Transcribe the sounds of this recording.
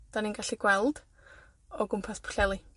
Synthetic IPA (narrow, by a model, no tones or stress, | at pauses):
d̥aninɡaɬiɡ̥wɛlˠd̥ | ɔɡʊmpʰaspʰʊ̥ɬɛlˠi